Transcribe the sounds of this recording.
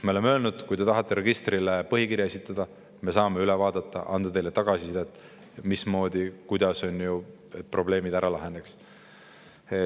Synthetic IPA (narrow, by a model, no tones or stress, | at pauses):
meolemø̞ːlnud̪̥kujd̪e̞t̪ɑɦɑt̪ːˑeɾeɡ̥ist̪rilepɤɦikiɾjɑesʲit̪ːˑɑd̪̥ɑ | me̞sɑːme̞ylɛvɑːd̪ɑt̪ːˑɑ̰ʔɑnd̪̥ɑt̪ejle̞t̪ɑɡ̥ɑsisid̪et̪ːˑ | mismo̞ːd̪ikujd̪̥ɑso̞nʲju | e̞t̪̚pro̞ble̞ːmid̪æɾɑlɑɦe̞neks